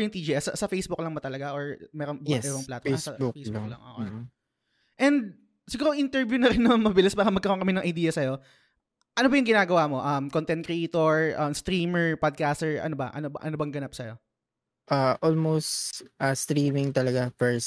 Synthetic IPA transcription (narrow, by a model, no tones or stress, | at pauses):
jɪŋt̪iːd͡ʒiʔɛsɐ̰sɐfejsbʊk̚lɐŋmɐt̪ɐlɐɡaʔoɹmɛːɾoŋɛɾoŋplaːt̪ɐɐbʊkfejslŋlɐŋɐ̰ʔ | ʔɛnd̪̚ | sɪɡuːɾoŋʔɪnt̪ɛɹvjunɐɾɪnːɐmɐŋmɐbɪlɪsbaːkɐmɐɡkɐɾoŋkɐmɪnɐŋʔɐjd̪iːjɐsɐjo | ʔɐno̞bɐjʊŋɡɪnaːɡɐwaːmo̞ʔɐmkont̪ɛn̚kɾɛʔeːt̪oɹʔɐmst̪ɾiːmɛɹpad̪̚kaːst̪ɛɹʔɐ̰nobɐ̰ʔɐ̰nobɐ̰ʔɐnobɐŋɡɐnap̚sɐjo̞ | ʔaʔolmost̪ʔɐst̪ɾiːmɪŋt̪ɐlɐɡafɛɹs